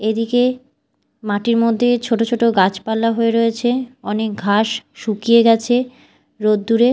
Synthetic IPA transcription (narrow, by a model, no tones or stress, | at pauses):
ed̪ike | maʈiɾmod̪ʱːet͡ɕʰoʈot͡ɕʰoʈoɡat͡ɕpalːaɦoeɾoet͡ɕʰeɔnek̚ɡʱaʃʃukieɡɛt͡ɕʰe | ɾod̪d̪uɾe